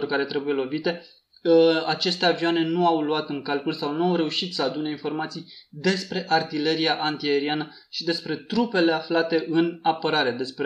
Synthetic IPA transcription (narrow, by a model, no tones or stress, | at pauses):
orkaɾe̞t̪ɾe̞buje̞lo̞vit̪e̞ | at͡ʃe̞st̪e̞aviwane̞nuawluat̪ɨŋkalkulsawnuawɾe̞uʃit̪səad̪une̞info̞rmat̪sijd̪e̞spɾe̞ʔart̪ile̞ɾiaʔant̪ieɾianə | ʃid̪e̞spɾe̞t̪ɾupe̞le̞aflat̪e̞ʔɨnapəɾaɾe̞d̪e̞spɾe